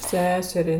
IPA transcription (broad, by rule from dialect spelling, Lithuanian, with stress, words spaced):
ˈsʲæːsʲɛrʲɛɪ